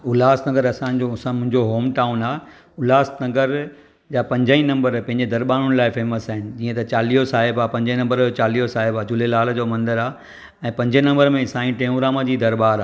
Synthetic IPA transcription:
ʊlaːsnɐɡəɾɐsãɲd͡ʑosãmʊ̃ɦɪ̃ɲd͡ʑoɦoːmʈaːʊnaː | ʊlaːsnɐɡəɾ | d͡ʑaːpɐ̃ɲd͡ʑəĩnɐ̃mbəɾpɐ̃ɦɪ̃ɲd͡ʑed̪ɐɾɓaːnʊnɪ̆laːɪfeːməsaːɦɪnɪ̆d͡ʑiːə̃t̪ɐt͡ɕaːliːɦosaːɦɪbaːpɐ̃ɲd͡ʑĩnɐ̃mbəɾd͡ʑoːt͡ɕaːliːjosaːɦɪbaːd͡ʑʊlelaːld͡ʑoːmɐ̃nd̪əɾaː | ɛ̃ːpɐ̃ɲd͡ʑinɐ̃mbəɾmẽɪsãːĩʈẽːũɾaːməd͡ʑiːd̪ɐɾbaːɾaː

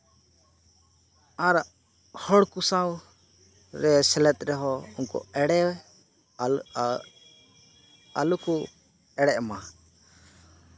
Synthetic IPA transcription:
aɾ | hɔɽkusãw | ɾɛsɛlɛt̪̚ʼɾɛɦɔunkɔ̰ɛɽɛwɛ | a̰luku | ɛɽɛʔma

